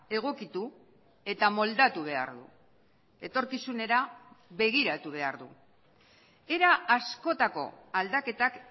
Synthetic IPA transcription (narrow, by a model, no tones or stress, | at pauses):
e̞ɣ̞o̞kit̪u | e̞t̪amo̞ld̪at̪uβ̞e̞a̰ɾðṵ | e̞t̪o̞ɾkisune̞ɾaβe̞ɣ̞iɾat̪uβ̞e̞aɾðṵ | e̞ɾaːsko̞t̪ako̞̰ald̪ake̞t̪ak